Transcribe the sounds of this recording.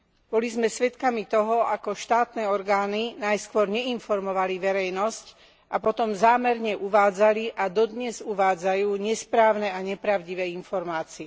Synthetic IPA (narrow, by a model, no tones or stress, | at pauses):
b̥ɔlizmɛsʋɛt̪kamit̪ɔɦɔʔakɔʃt̪aːt̪nɛːɔɾɡaːninajskʋʊɔɾɲɛinfɔɾmɔʋaliʋɛɾɛjnɔsc | ʔapɔt̪ɔmzaːmɛɾɲɛʔuʋaːd͡zaliʔad̪ɔd̪ɲɛzuʋaːd͡zajuːɲɛspɾaːʊnɛaɲɛpɾaʊɟiʋɛːinfɔɾmaːt͡siɛ